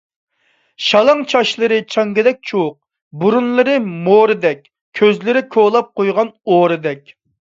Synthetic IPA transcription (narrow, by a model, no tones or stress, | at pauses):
ʃɑlˠɑŋt͡ʃʰɑʃlˠɨɾɨt͡ʃʰɑŋɡɪd̪ɛk̚ʲt͡ʃʰowq̚ | buɾunlˠɨɾɨmoɾɨd̪ɛkʲ | kʲʰøzlɪɾɪkʰolˠɑp̚qojʁɑnoɾɨd̪ɛkʲ